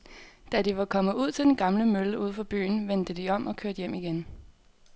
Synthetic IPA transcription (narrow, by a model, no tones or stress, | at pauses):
d̥ædiʋɑ̈kʰɒ̽mð̩ˠuð̰ˠt͡sʰe̝d̥enɡ̥ɑ̈mləmøləuð̰ˠfɒ̽b̥y̰ːn̩ʋend̥əd̥iɒ̽mʔɒ̽kʰøɐd̥jem̰iɡ̥en